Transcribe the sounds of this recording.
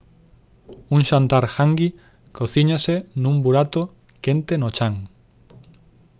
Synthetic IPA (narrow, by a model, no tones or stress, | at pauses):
uŋʃant̪aɾxaŋɡi | koθiɲasenũmbuɾat̪o | kent̪enot͡ʃaŋ